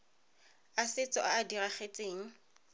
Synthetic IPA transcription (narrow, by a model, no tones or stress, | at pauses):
asɪt͡sʼɔʔaːdiraχet͡sʼeːŋ̩